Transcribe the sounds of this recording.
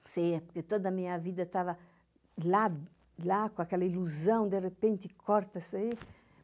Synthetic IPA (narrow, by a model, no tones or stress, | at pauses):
sejɐpoɾket̪od̪ɐmĩɲɐvid̪ɐt̪avɐ | la | lakõakɛlɐiluzɐ̃w̃d̪erepẽnt̪ɪkʰɔɾt̪ɐsɐi